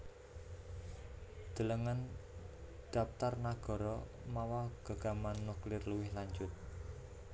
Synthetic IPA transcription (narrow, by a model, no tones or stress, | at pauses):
d̪̥ə̤ləŋan | d̪̥a̤pt̪arnaɡ̥ɔ̤ɾɔ | mawaɡ̥a̤ɡ̥a̤manːuklɪrluwɪhlaɲd͡ʒʊt̪̚